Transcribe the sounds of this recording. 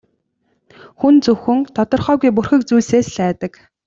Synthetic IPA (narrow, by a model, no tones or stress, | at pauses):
xunt͡sɵxɵ̆ŋt̪ʰɔt̪ɞ̆rχœːɣujp̬urxɘ̆k̚t͡sujɮseːsɮæːt̪ə̆k